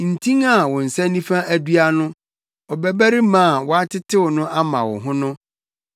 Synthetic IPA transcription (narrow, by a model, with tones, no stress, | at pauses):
n̩˨tʰĩ˦ŋa˦˨wɔ̃˨n̩˨sɛ˦nĩ˦fã˦æ˦dɥa˦nʊ̃˦ | ɔ˨bɛ˨bæ˦ɾi˦mã˦˨wɔ˨a˦tʰɪ˦tʰɪ˦wʊ˨nʊ̃˦ʔa˦mã̰˨wʊ̰˨ɦʊ̃˦nʊ̃˦